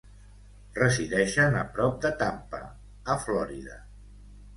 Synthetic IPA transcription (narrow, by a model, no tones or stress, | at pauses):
rəziðɛʃənəpɾɔp̚d̪ət̪ampə̰ | əflɔɾiðə̰